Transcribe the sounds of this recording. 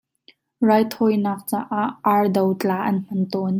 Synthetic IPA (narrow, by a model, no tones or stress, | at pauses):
raːjt̪ʰɔjnɐq̚t͡saːʔaʔaɹdɐwt͡ɬaːʔɐnm̥ɐnt̪ɔn